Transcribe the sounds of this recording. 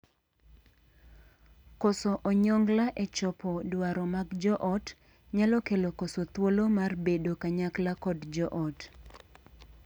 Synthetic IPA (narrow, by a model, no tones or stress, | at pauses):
kɔsoʔɔɲɔŋɡlaʔet͡ʃɔpɔdwaɾɔmaɡd͡ʒɔʔɔt | ɲalɔkelokosot̪wolomarbedokaɲaklakɔdd͡ʒɔʔɔt